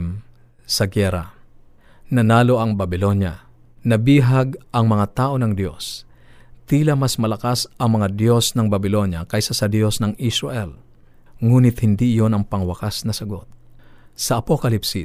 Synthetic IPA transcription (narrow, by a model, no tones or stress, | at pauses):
m | sɐɡɛɾa̰ | nɐnaːloʔɐŋbɐbɪlo̞njɐ̰ | nɐbiːɦaɡʔɐŋmɐŋat̪aːʔo̞nɐŋd̪jo̞s | t̪iːlɐmɐsmɐlɐkasɐŋmɐŋad̪jo̞snɐŋbɐbɪlo̞njɐkɐjsasɐd̪jo̞snɐŋɪsɾaʔɛl | ŋuːnɪt̪hɪnd̪iʔɪjo̞nɐŋpɐŋwɐkasnɐsɐɡo̞t̪̚sɐʔɐpokɐlipsi